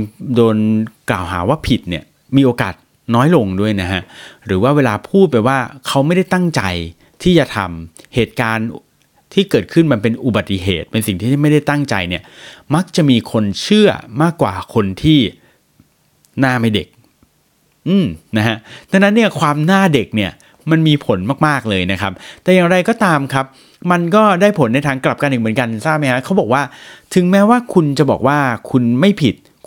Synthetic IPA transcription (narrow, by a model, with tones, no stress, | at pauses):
doː˧nklaː˨˩wɦa̰ː˩˦waː˥˩pʰi˨˩t̪̚ni˦˥˩ɐ | miː˧ʔoː˧ka̰ː˨˩t̪̚ | nɔː˦˥jlo˧ŋdu˥˩əjna˦˥kʰa˦˥ʔɾɯː˩˦waː˥˩weː˧laː˧pʰuː˥˩t̪̚pa˧jwaː˥˩kʰa˦˥wma˥˩jda˥˩jt̪a˥˩ŋt͡ɕa̰˧j | t̪ʰiː˥˩t͡ɕa˨˩t̪ʰa̰˧mheː˨˩t̪̚kaː˧n | t̪ʰiː˥˩kɤː˨˩t̪̚kʰɯ˥˩nma˧npe˧nʔu˨˩ba˨˩t̪ːi˨˩ɦḛː˨˩t̪̚pe˧nsi˨˩ŋt̪ʰiː˥˩˥ma˥˩jda˥˩jt̪a˥˩ŋt͡ɕa̰˧jni˥˩ɐma˦˥k̚t͡ɕa˨˩ʔmiː˧kʰo˧nt͡ɕʰɯ˥˩ɐmaː˥˩kwa̰ː˨˩kʰo˧nt̪ʰiː˥˩ | naː˥˩ma˥˩jdḛ˨˩k̚ | ʔɯː˧˩mna˦˥ha˦˥ʔt̪ʰa˧ŋna˦˥nːi˥˩ɐkʰwaː˧mnaː˥˩de˨˩k̚ni˥˩ɐ | ma˧nmiː˧pʰo˨˩˦nmaː˥˩k̚maː˥˩k̚lɤː˧jna˦˥kʰa̰˦˥p̚t̪ɛː˨˩jaː˨˩ŋɾa˧jkɔː˥˩t̪aː˧mkʰa˦˥p̚ | ma˧nkɔː˥˩daː˥˩jpʰo˨˩˦nːa˧jt̪ʰaː˧ŋkla˨˩p̚ka˧ni˨˩k̚m˩˦nka˧nsaː˥˩p̚ma˦˥jkʰa˦˥kʰa˦˥wbɔː˨˩k̚waː˥˩t̪ʰɯ˨˩˦ŋmɛː˦˥waː˥˩kʰu˧nt͡ɕa˨˩bɔ̰ː˨˩k̚waː˥˩kʰu˧nma˥˩jpʰi˨˩t̪̚